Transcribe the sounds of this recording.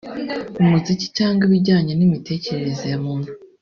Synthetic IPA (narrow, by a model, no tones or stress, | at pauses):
omuzici̥caːŋɡiβiɾɟaːɲenimite̞ːce̞ɾeɾezejamuːnu